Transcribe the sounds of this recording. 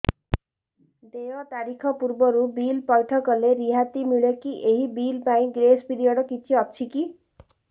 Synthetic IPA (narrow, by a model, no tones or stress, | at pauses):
d̪ejʌt̪aɾikʰʌpuɾbʌɾubilpʌjʈʰʌkɔleɾiɦat̪imiɭjekiʔeɦibilpaĩɡɾesbid̪ijɔɽʌkit͡sʰiʌt͡sʰiki